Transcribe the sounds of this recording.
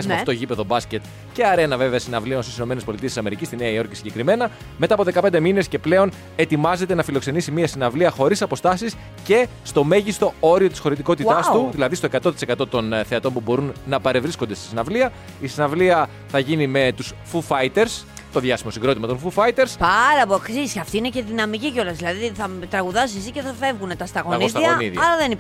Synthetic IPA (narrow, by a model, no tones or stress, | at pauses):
ɐsiɐft̪oʝipe̞ðo̞bɐsce̞t̪ | ce̞ɐɾe̞nɐve̞veɐsinɐvlio̞nst̪isino̞me̞nespolit̪iesisɐme̞ɾicist̪ineɐio̞ɾcisiɲɟe̞kɾime̞nɐ | me̞t̪ɐːpo̞ðe̞kɐped̪e̞mine̞sce̞ple̞o̞n | e̞t̪imɐze̞t̪e̞nɐfilo̞kse̞nisimiɐsinɐvliɐxo̞ɾisɐpo̞st̪ɐsis | ce̞st̪o̞me̞ʝist̪o̞o̞ɾio̞t̪i̥sxo̞ɾit̪iko̞t̪it̪ɐst̪uðilɐðist̪o̞e̞kɐt̪o̞t̪i̥se̞kɐt̪o̞t̪o̞nθe̞ɐt̪o̞mpubo̞ɾunːɐpɐɾe̞vɾiskond̪e̞st̪i̥sinɐvliɐ | isinɐvliɐ | θɐʝinime̞t̪us | fufɐjt̪e̞ɾs | t̪o̞ðʝɐsimo̞siɡɾo̞t̪imɐt̪o̞nfufɐjt̪e̞ɾspɐɾɐpoksisɐft̪iinece̞ðinɐmicico̞lɐzðilɐðiθɐt̪ɾɐɣuðɐsisiceθɐfe̞vɣunet̪ɐst̪ɐɣonisðɐoniðjɐlɐðeni